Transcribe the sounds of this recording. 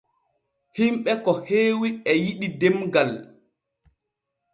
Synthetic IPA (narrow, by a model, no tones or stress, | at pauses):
himɓɛkɔheːwiɛjiɗidemɡal